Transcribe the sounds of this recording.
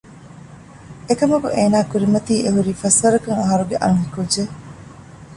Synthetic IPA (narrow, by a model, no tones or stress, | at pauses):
ekɐmɐko̰ʔeːnaːkuɾimɐt̪iːʔeɦuɾiːfɐsɐɾɐkɐŋɐɦɐɾuɡeʔɐ̰ŋɦikud͡ʒːe